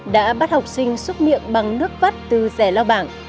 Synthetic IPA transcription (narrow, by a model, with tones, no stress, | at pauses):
ɗa̰ː˧˥ɓaː˦˥t̚ha˨˩wk͡p̚sï˧ŋ̟swə˦˥t̚mḭ˧˨ənɓa˨˩ŋnɨ˦˥ək̚va˦˥t̚t̪ɨ˨˩zɛ˧˩laː˧wɓaː˧˩n